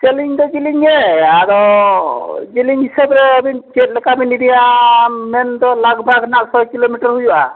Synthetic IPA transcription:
t͡ʃeliŋd̪ɔd͡ʒiliŋɛaɾɔ | d͡ʒiliŋɦisəbɾɛəbint͡ʃet̚lɛkaminidijamɛnd̪ɔlaɡbʱaɡnaɡsɔkilomiʈəɾɦujuʔa̰

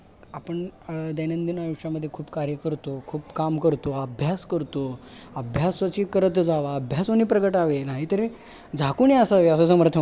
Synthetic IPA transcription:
apəɳd̪enənd̪inajuʂaməd̪ʱːjekʰuːpkaɾjəkəɾt̪okʰuːpkamkəɾt̪oəbʱjaskəɾt̪oəbʱjasʋət͡ɕiːkəɾət̪d͡zaʋaəbʱjasoniːpɾəɡəʈaʋenaɦit̪əɾĩ | d͡zʱakuniasaʋeəs̬əsəməɾt̪ʰə

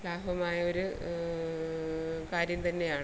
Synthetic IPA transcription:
laːɦɐmaːjɐo̞ɾu | kaːɾjɐmt̪ɐnːe̞jaːɳ

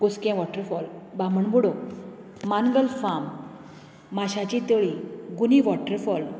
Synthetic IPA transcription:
ɡoskẽʋɔʈəɾfɔlbaməɳbuɽo | manɡəlfamː | aɕat͡ɕit̪əɭiɡuniʋɔʈəɾfɔl

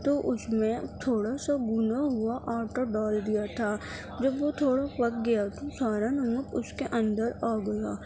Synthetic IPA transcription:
t̪oʔʊsmẽt̪ʰoːɽasaɡʊnaɦʊaʔaːʈoɖaːld̪ijat̪ʰaː | d͡ʒɐbʋot̪ʰoːɽapɐk̚ɡɐjat̪ʰosaːɾanɐmʊkʊskeʔɐ̃nd̪əɾaːɡɐjaː

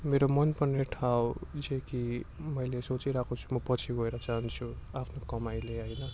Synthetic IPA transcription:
meɾomʌnpʌneʈʰawd͡zekimʌjlesot͡siɾakʰot͡sʰu̥mʌpʌt͡sʰiɡʱʌeɾʌt͡saɦʌnt͡sʰuapʰnokʌmajleɦʌjnʌ

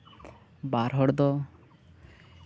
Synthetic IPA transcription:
baɾɦɔɽd̪ɔ

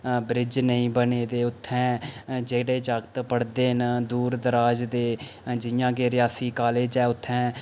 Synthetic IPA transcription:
bɾɪd͡ʒnəĩːbəneːd̪eːʊt̪ʰːɛ̃ːd͡ʒeːɽeːd͡ʒaːɡt̪pəɽd̪eːɦənd̪uːɾd̪əɾaːd͡ʒd̪eːd͡ʒɪjãːkeːɾɪjaːsiːkaːleːd͡ʒɛːʊt̪ʰːɛ̃ː

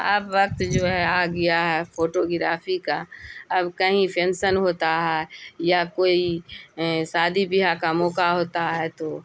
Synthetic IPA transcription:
ə̰pʋɐk̚t̪d͡ʒoːɦɛaɡɪjaɦɛfoːʈoɡɪɾa̰ːfʰikaɐbkɐɦĩpɛnsənɦoːt̪aɦɛːjakoːi | saːd̪ʱibɪɦakamɔːkaɦoːt̪aɦɛt̪oː

